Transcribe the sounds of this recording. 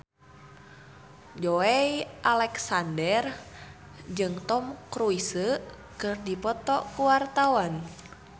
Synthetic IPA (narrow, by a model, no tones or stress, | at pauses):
d͡ʒoɛiʔalɛksandɛr | d͡ʒɨŋt̪ɔmkɾuisə | kɨrdipɔt̪ɔʔkuwart̪awan